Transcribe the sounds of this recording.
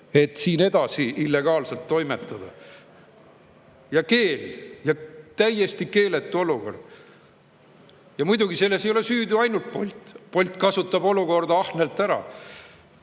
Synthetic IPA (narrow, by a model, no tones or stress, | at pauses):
e̞t̪ːˑsiːne̞d̪̥ɑsiʔilːe̞ɡ̥ɑːlse̞lt̪ːo̞jme̞t̪ːˑɑd̪̥ɑ | jɑke̞ːljɑt̪æje̞st̪ike̞ːle̞t̪ːˑuo̞luko̞̰rd̪̥ | jɑmujd̪uɡise̞lːe̞sejole̞syːd̪uɑjnult̪̚po̞̰lʲt̪ˑpo̞lʲt̪ˑkɑsut̪ːˑɑbo̞luko̞rd̪ɑɑhne̞lt̪ːˑæɾɑ̰